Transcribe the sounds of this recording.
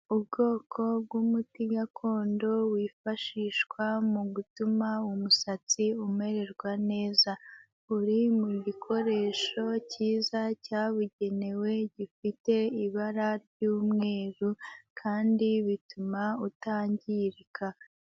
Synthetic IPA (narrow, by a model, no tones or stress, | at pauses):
ub̚ɡo̞ːkʰo̞b̚ɡwumutiɡakʰo̞ːndo̞wiːfaʃiːʃkwamuɡutumaumusat͡siume̞ɾe̞ɾɡwane̞ːza | uɾimuɟikʰo̞ɾe̞ːʃo̞ciːzacaːβuɟe̞ne̞we̞ɟifite̞iβaɾaɾɟuːmŋe̞ːɾukʰaːndiβitumautaːɲɟiɾikʰa